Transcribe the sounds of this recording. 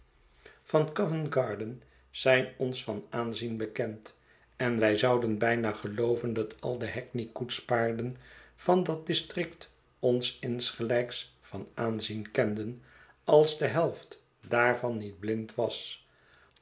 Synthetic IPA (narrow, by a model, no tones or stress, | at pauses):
fɑnkɔvənɡɑːɹdən | z̥ɛjnɔnsfɑnaːnzinbəkɛnt | ɛnʋɛjzɑwdənbɛjnaːχəlowvəndɑtʰɑ̰lˠdəɦɛknikutspaːɹdənv̥ɑndɑt̚dɪstrɪkt | ɔnsɪnsχəlɛjks | fɑnaːnzinkɛndən | ɑlˠzdəɦɛlˠft | daːɹvɑnːid̚blɪntʋɑs